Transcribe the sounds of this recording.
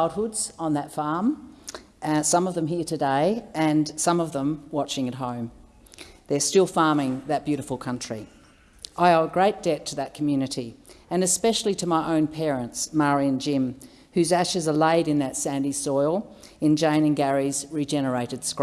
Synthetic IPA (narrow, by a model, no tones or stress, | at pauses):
lˠd̚hʊdz̥ə̃n̩ðɨtfɑɹm | sʌ̃mʌvðə̃mɦiɹɾɨdeɪɨ̃nsʌ̃mʌvðə̃mwɑt͡ʃɪ̃ŋɨt̚ɦõʊ̃m | ðə˞stɪlˠfɑɹmɪ̃ŋðɨt̚b̥jʉɾɨfl̩ˠkʰʌ̃nt͡ʃɹ̥i | ʔaɪəəɡɹeɪt̚d̥ɛtʰɨðɨt̚kʰmjʉnɨɾiɨ̃nɨspɛʃl̩ˠiɾɨmaɪʔõʊ̃npʰɛɹɨ̃ntsmɑɹiɨ̃nd͡ʒɪ̃m | hʉzæʃɨzə˞leɪɾɨ̃nðɨtsæ̃ndisɔɪlˠɨ̃nd͡ʒẽɪ̃nɨ̃nɡæɹizɹid͡ʒɛnə˞eɪɾɨd̥skɹ